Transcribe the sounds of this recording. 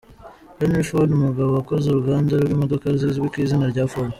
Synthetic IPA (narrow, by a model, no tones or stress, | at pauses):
benifoldumuɡaβo̞ako̞zuɾuɡaːndaɾɡwiːmo̞do̞kaɾzizwikizinaɾɟaːfoɾa